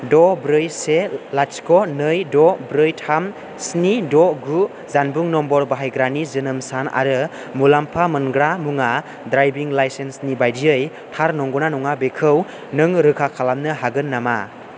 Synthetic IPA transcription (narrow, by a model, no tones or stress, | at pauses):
dɔbɾɯjselaskɔnɯjdɔbɾɯjtʰam | snidɔɡɾup̚ | zanbuŋnɔmbɔɾbaɦajɡɾanizɯnɯmsana̰ɾɯ | mulampʰamɯnɡɾamuŋa | dɾajbiŋlajsensnibajdiɯj | tʰaɾnɔŋɡɔnanɔŋabekʰɯw | nɯŋɾɯkʰakʰalamnɯɦaɡɯnːama̰